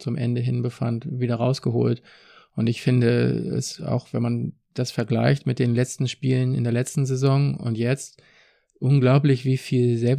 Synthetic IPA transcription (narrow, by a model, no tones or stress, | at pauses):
t͡sʊmʔɛ̰ndəɦɪnbəfa̰ntviːdɐʁaʊsɡ̥əho̰ːlt | ʔʊntɪçfɪndəɛ̰sa̰ʊxv̥ɛnman | d̥asfɛɐɡla̰ɪçtmɪt̚d̥eːnlɛt͡stn̩ʃpiːlənɪ̰ndeːɐlɛt͡stn̩zezɔŋʊ̰ntjɛt͡st | ʔʊnɡlaʊplɪçv̥iːfiːlzɛlp